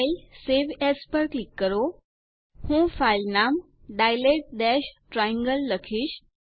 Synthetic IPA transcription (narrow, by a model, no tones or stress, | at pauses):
ilseʋɛspəɾklikːəɾo | hũfajlnam | ɖajleʈ̚ɖ̪ɛɕʈɾajĩŋɡəlːəkʰiːɕ